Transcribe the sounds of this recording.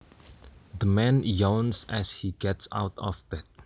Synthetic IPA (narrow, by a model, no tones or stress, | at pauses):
d̪əmɛ̃njɔ̃wnsɛshiɡɛtsa̰wtʰɔ̰fbɛt̚